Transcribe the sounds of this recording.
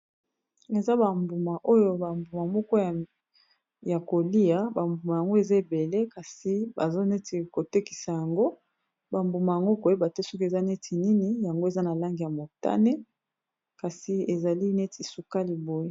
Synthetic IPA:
e˨za˦ba˨mbu˨ma˨ʔo˦jo˦ba˨mbu˨ma˨mɔ˦kɔ˦˨ | ja˨ko˨li˦a˨ba˨mbu˨ma˨ja˨ŋɡo˦e˨za˦e˨be˨le˦ka˨si˨ba̰˨zo˦ne˦ti˨ko˨te˦ki̥˨sa˨ja˨ŋɡo˦ | ba˨mbu˨ma˨ja˨ŋɡo˦ko˨e˦ba˨tɛ˦sɔ˦ke˨za˦ne˦tʰi˨ni˦ni˦ja˨ŋɡo˦e˨za˦na˨la˦ŋɡi˨ja˨mo˨ta̰˦ne˦ | ka˨si˨e˨za˨li˦ne˦ti˨su˨ka˦li˨bo˨je˦

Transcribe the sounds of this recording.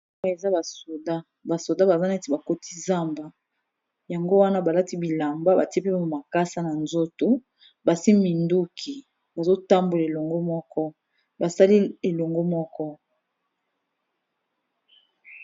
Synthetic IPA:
a˦e˨za˦ba˨so˨da˦ | ba˨so˨da˦ba˨za˦na˨e˦te˨ba˨ko˦ti̥˦za˦mba˦ | ja˨ŋɡo˦wa˦na˦ba˨la˦ti˦bi˨la˨mba˦ba˨ti˦pe˦ma˨ma˨ka˦sa˦na˨nzo˦to˨ | ba˨si˦mi˨ndu˦kʰi˨ | ba˨zo˦ta˦mbo˨la˨e˨lo˨ŋɡo˦mɔ˦kɔ˦ | ba˨sa˦li˦e˨lo˨ŋɡo˦mɔ˦kɔ˦

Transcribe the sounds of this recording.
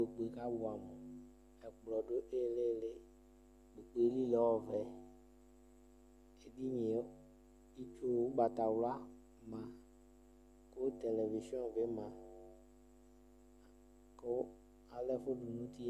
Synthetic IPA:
o˨k͡pe˨ka˦bu˨a˨me˨ | ɛ˨k͡plɔ˨ɖo˦ʔe˦˨le˦le˦ | ɡ͡be˨k͡pe˨˦li˦lɛ˨˦wɔ˦vɛ˨ | e˨di˦ɲĩ˨ | i˦t͡ʃo˦wo˦ba˨t̪a˨wla˦ | mã˨ | ko˦t̪e˨le˨vi˨ʃi˦ɔ̃˦nve˦mã˨ | ko˦ | a˨le˦ɸo˦ɖu˨nũ˦t̪i˦

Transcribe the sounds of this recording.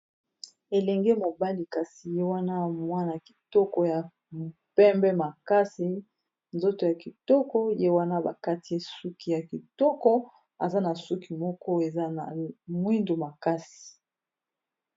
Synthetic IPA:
e˨lɛ˨ŋɡɛe˦mo˨ba˦li˨ka˨si˨je˦wa˦na˦˨mwa˦na˨ki̥˨tɔ˦kɔ˨ja˨ | m˨pɛ˦mbɛ˦ma˨ka˦si˨ | nzo˦to˨ja˨ki˨tɔ˦kɔ˦je˦wa˦na˦ba̰˨ka˦ti˨e˦su˦ki˨ja˨ki˨tɔ˦kɔ˦ | a̰˨za˦na˨su˦ki˨mɔ˦kɔ˦e˨za˦na˨mwi˦ndo˨ma˨ka˦si̥˨

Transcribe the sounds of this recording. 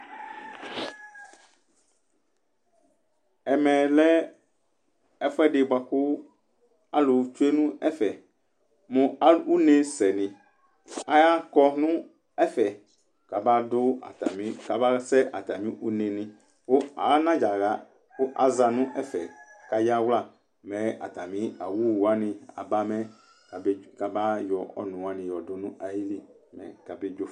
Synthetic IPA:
ɛ˨mɛ̃˨lɛ˦ | ɛ˦fʊ˦ɛ˦dɪ˨ba˨kʊ˦ | a˦lʊ˨t͡ʃu˦e˦nʊ̃˦ɛ˦fɛ˨ | mʊ̃˨a˨u˦ne˨sɛ˨nɪ̃˨ | a˦ja˦kɔ˦nʊ̃˦ | ɛ˦fɛ˨ | ka˨ba˦dʊ˦a̰˨ta˨mĩ˦ka˨ba˦sɛ˦ʔa˨ta˨mĩ˦ʔu˦ne˨nɪ̃˦ | ʊ˦a̰˨˦nã˦d͡ʒa˨ɣa˦ | ʊ˦ʔa˨za˨nʊ̃˦ʔɛ˦fɛ̰˨ka˨ja˦wla˦˨ | mɛ˨a̰˨ta˨mĩ˦a˨wu˦˨a˦nɪ̃˨a̰˨ba˦mɛ˦˨˦ | ka˨ba˦jɔ˨ɔ̰˨nʊ̃˨wa˦nɪ̃˨jɔ˨dʊ˨˦nʊ̃˦a˨ji˦li˦ | mɛ̰˨ka˨be˦d͡ʒo˦

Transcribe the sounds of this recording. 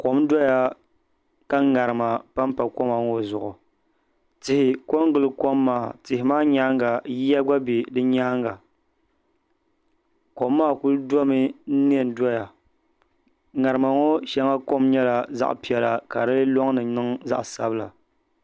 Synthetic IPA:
ko˨m˦dɔ˦ja˨ | ka˦ŋa˨ɾɨ˨ma˨pa˦m˦pa˨ko˦ma˨ŋo˦zʊ˨ʔʊ˨ | tɪ˨hɪ˨ko˦ŋ˦ɡɨ˨lɨ˨ko˦mːaː˨tɪ˨hɪ˨maː˦ɲa˦ŋɡa˨ji˦ja˦ɡa˦bi˨dɨ˦ɲaː˦ŋɡa˨ | ko˨mːaː˦˨ku˦ldɔ˦mɨ˦n̩˦n˦ɛ˦˨n˦dɔ˦ja˨ | ŋa˨ɾɨ˨ma˨ŋo˦ʃa˦ŋa˦ko˦mɲɛ˦la˨za̰˦ʔpi˨ɛ˨la˨ka̰˨dɨ˦lɨ˦lɔ˦ŋnɨ˨nɨ˦ŋza̰˦ʔsa̰˦bɨ˦la̰˨

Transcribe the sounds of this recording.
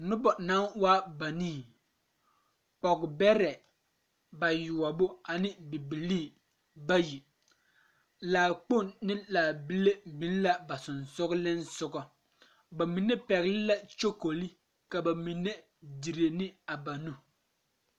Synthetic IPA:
nʊ˦bɔ˨na˦nwa˦ba˨niː˦˨ | pɔ˨ɡbɛ˦ɾɛ˨ | ba˨jʊ˨a˨bʊ˦a˨nɪ˦bɪ˨bi˨liː˦˨ | ba˦ji˨ | laː˨k͡po˦˨nnɪ˦laː˨bi˦le˦bi˨˦n˦la˦ba˨sʊ˨nsʊ˦ɣlɪ˦nsʊ˦ɡɔ˨ | ba˨mi˨ne˦pɛ˨ɣlɪ˦la˦t͡ʃo˦ko˨li˦ | ka˨ba˨mi˨nːe˦ | di˨ɾe˨nɪ˦a˨ba˨nu˦

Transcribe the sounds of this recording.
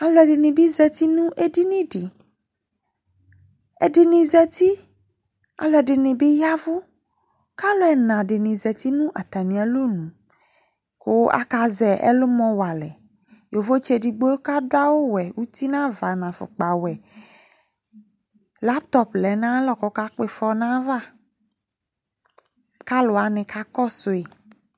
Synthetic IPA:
a˨lɔ˨ɛ˨ɖɪ˨nĩ˨bi˦zɛ˨t̪i˦nũ˦ʔe˦di˦nĩ˦ɖi˨ | ɛ̰˨ɖe˨nĩ˨zɛ˨t̪i˦ | a̰˨lɔ˨ɛ˨ɖe˨nĩ˨bi˦ja˦vu˦ | ka˦lɔ˦ɛ˨nã˨ɖe˨nĩ˨zɛ˨t̪i˦nũ˦ʔa˨t̪a˨mĩ˨a˨lo˦nũ˨ | ko˦a̰˦ka˨zɛ˨ʔɛ̰˦lo˦mɔ̃˨wa˨lɛ̰˨ | jo˨vo˦t͡ʃɛ˦di˨ɡ͡bo˦ka˦do˦a˦wo˦wɛ˨wu˦t̪i˦nã˦va˨nã˨fo̰˨k͡pa˨wɛ˨ | la˦pt̪ɔ˦plɛ˨nã˦lɔ˨kɔ˨ka˦k͡pe˦fɔ˦nã˦va˦ | ka˦lo˨a˨nɪ̃˨ka˦kɔ˦so˨e˨

